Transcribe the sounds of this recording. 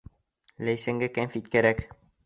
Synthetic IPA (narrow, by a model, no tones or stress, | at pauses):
læjsæŋɡækæmfit̪̚kæɾæk